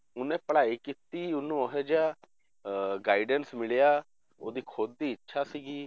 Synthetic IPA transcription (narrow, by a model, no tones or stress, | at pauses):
ʊnẽːpəɽaːiːkit̪iːʊnːũːəɦɛːd͡ʒaː | ɡaːɪɖənsmɪɭejaː | oːd̪iːkʰoːd̪̚ːiːətːʃʰaːsiːɡiː